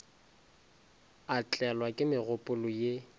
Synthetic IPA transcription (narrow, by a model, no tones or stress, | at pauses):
at͡ɬʼɛlwakʼɪmɪɣʊpʼʊlʊje